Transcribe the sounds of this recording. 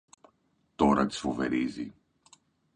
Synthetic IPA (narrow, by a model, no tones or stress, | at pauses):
t̪o̞ɾɐt̪i̥sfo̞ve̞ɾizi